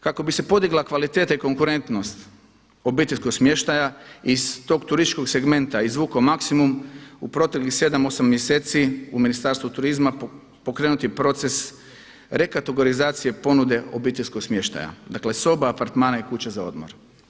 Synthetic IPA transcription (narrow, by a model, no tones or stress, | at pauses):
kako̞bise̞po̞d̪iɡlakʋalit̪e̞ːt̪aiko̞ŋkuɾe̞nt̪no̞st̪ | o̞biːt̪eʎʲsko̞ɡsmje̞ʃt̪ajaist̪o̞ːɡt̪uɾist̪it͡ʃko̞ɡse̞ɡme̞nt̪aizʋuːkomaksimumupɾo̞t̪e̞klixse̞d̪amosamːjeseːt̪siuminist̪aːɾst̪ʋut̪uɾizma | po̞kɾe̞ːnut̪ipɾo̞t̪se̞s | ɾe̞kat̪eɡoɾizaːt̪sije̞po̞nud̪e̞o̞̰biːt̪eʎʲsko̞ɡsmje̞ʃt̪a̰ja̰d̪akle̞so̞baːpaɾt̪maːnaikut͡ɕezao̞d̪mo̰ɾ